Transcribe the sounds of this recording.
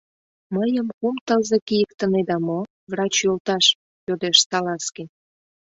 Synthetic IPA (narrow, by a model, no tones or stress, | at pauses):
məjəmkumt̪əlzekijəkt̪əned̪ɑmo | vrɑt͡ɕjolt̪ɑʃ | jod̪eʃsɑlɑskənʲ